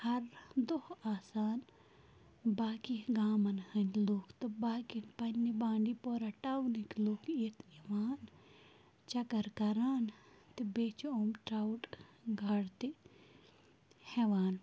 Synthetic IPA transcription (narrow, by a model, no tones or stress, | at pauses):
hɐɾd̪ohaːsaːn | baːkiɡaːmɐnhɐnloːkʰt̪ɨbaːkipɐnːibãːɳɖipoːɾɐʈawnikloːkʰet̪iʋaːn | t͡ʃɐkɐɾkɐɾaːnt̪ibeːt͡ʃoːmʈɾawʈɡʱɐɽt̪i | hɛʋaːn